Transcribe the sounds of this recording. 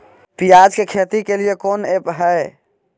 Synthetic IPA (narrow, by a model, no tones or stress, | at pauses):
pijad͡ʒkekʰet̪ikeliekonepɦəe